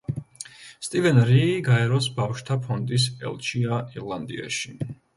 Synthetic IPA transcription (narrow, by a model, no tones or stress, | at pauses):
st̪ʼivɛnɾiːɡaɛɾɔsbafʃt̪ʰapʰɔnd̪ʼisɛ̰lˠt͡ʃʰiaiɾlˠand̪ḭa̰ʃi